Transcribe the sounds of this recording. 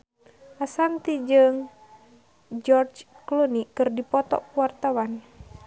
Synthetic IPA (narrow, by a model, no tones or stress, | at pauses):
ʔasant̪id͡ʒɨŋ | d͡ʒɔrd͡ʒ | klunikɨrdipɔt̪ɔ̰kuwart̪awan